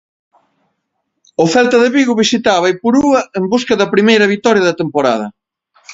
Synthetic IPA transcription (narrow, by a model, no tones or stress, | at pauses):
ofɛlt̪ɐðeβiɣuβisit̪aβɐipuɾuɐembuskɐðɐpɾimejɾɐβit̪ɔɾjɐðɐt̪empoɾa̰ðɐ